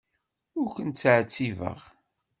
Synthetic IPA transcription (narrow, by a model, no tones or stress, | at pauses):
ʊɾkʷənt͡sːʕt͡sːivə̰ʁ